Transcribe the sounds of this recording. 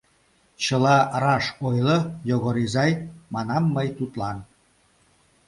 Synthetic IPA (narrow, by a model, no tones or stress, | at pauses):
t͡ɕəlɑrɑʃojləjoɣoɾizɑjmɑnɑmːəjt̪ut̪lɑn